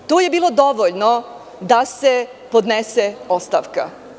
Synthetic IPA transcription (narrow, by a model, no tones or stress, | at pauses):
t̪oːjebiːlˠo̞d̪o̞ʋoʎno | d̪ase | po̞d̪neseost̪a̰ʋka̰